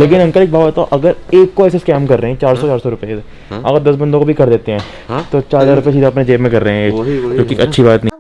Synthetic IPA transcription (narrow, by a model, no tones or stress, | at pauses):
leːkɪnɐ̃ŋkəleːk̚baːbət̪aʔɐɡəɾeːkːoɛːseskɛːmkɐɾːeɦɛ̃t͡ʃaːɾsɔt͡ʃaːɾsɔɾʊpe | ɐ̰ɡəɾd̪ɐsbɐ̃nd̪õkobʱikɐɾd̪eːt̪eɦɛ̃ː | t̪ot͡ʃaːɾzaːɾʊpjasiːd̪aɐpned͡ʒeːbmẽkɐɾːeɦɛ̃ːd͡ʒõːkiɐtːʃʰibaːt̪nɐ̃